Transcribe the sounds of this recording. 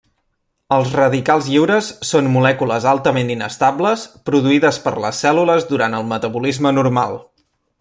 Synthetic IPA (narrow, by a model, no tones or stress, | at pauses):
əlˠzrəðikalˠzʎiwɾəsːonmulɛkuləzalˠt̪əment̪inə̰st̪abləspɾuðuiðəspə̰ɾlə̰sːɛluləzðuɾant̪əlˠmət̪əβulizmənuɾma̰lˠ